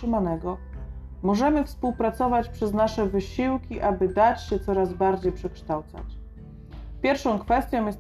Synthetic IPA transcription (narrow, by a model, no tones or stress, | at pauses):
ɘmanɛɡɔ | mɔʐɛmɘfspuwpɾat̪sɔvat͡ɕpʂɛznaʂɛvɘɕiwkʲiʔabɘd̪at͡ɕɕɛt̪sɔɾazbaɾd͡ʑejpʂɛkʂt̪awt̪sa̰t͡ɕ | pʲjɛɾfʂɔ̃w̃kfɛst̪ʲjɔ̃w̃jɛs